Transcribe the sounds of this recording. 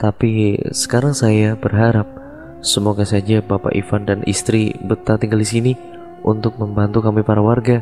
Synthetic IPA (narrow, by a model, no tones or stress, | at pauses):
t̪apisə̥kaɾaŋsajabərɦaɾap̚ | səmoɡasad͡ʒabapa̰ʔḭfandanḭst̪ɾibət̪at̪iŋɡaldisini | ʔunt̪ʊk̚məmbant̪ukamipaɾawarɡa